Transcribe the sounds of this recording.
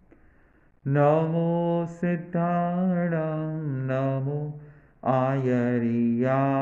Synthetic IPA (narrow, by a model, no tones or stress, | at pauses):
nɐmusid̪ʱːaːɳɐmnɐmu | aːjɐɾija